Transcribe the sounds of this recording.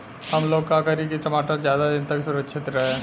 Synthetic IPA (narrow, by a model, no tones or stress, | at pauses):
hɐmloːkaːkaɾikit̪ɾɐmaːʈɐɾd͡ʒjaːd̪ad͡ʒɐnt̪ɐkisuɾɐkʂit̪ɾe